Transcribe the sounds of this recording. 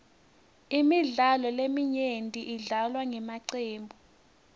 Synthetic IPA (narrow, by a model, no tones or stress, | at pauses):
imiɮalɔlemiɲentʼiʔiɮalwaŋɛmaǀeːmbʱu